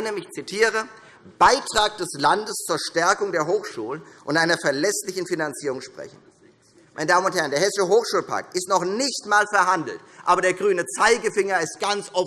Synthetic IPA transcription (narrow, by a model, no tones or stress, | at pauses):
nəmɪçt͡sitʰiːʁ̞ə | b̥aɪtʁ̥aːk̚d̥ɛslandəst͡suːɐʃtɛɐkʊŋdeːɐɦoːxʃuːlənʔʊntʔaɪnɐfɛɐlɛslɪçn̩finant͡siːʁʊŋʃpʁ̥ɛ̰çn̩ | mmaɪnədaːmənʊnthɛɐndeɐhɛsɪʃəɦoːxʃuːlpʰa̰ɐk̚tɪstnɔχnɪçtmaːlfɛɐɦandl̩tʔaːbɐɾeːɐɡʁyːnət͡saɪɡəfɪŋɐɪstɡ̥ant͡sʔɔf